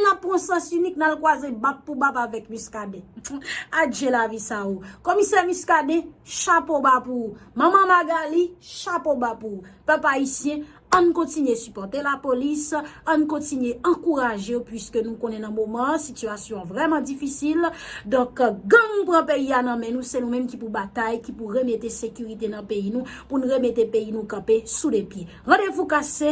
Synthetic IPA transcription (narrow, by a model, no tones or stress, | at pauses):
napːʁɔ̃sɑ̃synik̚nalkwazebap̚ːubapavɛkmĩskadɛ̃ | aʒelavisaokɔmisɛmiskadɛʃapobapumãmãmaɡaliʃapobapupɛpaisjɛ̃ | ãnkɔ̃tinesypɔʁt̪elapolisãnkɔ̃tinɥeɑ̃kuʁaʒeopɥiskønũkonɛnɐ̃momɑ̃sityasjɔ̃vʁɛmãd͡zifisild̪ɔ̃kɡãmũnpʁɑ̃peianɐ̃mɛ̃nũsenũmɛ̃mkipubat̪ajkipuʁemet̪esekʲyʁit̪enɐ̃peinũpunuʁemet̪epeinũkãpesudɛpje | ʁɑ̃devukase